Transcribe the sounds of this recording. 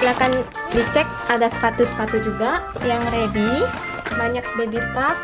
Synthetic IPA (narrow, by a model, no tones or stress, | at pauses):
ilakan | dit͡ʃɛk̚ʔadasə̥t̪at̪usə̥p̪at̪ud͡ʒuɡa | jaŋrebi | baɲak̚bebit̪at̪̚